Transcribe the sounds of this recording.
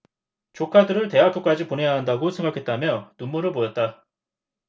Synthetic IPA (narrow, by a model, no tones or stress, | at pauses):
t͡ɕokʰadɯɾɯɭte̞ɦakʰɯk͈ad͡ʑiponɦe̞jaɦandaɡosʰe̞ŋɡakʰet̚t͈amjʌnumːuɾɯɭpojʌt̚t͈a